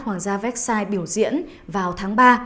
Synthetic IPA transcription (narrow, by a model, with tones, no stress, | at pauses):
hwaː˧˩ŋzaː˧vɛ˦˥k̚saː˧jɓi˧˩əwzḭ˧˥ən | vaː˨˩wt̪ʰaː˨˦ŋɓaː˧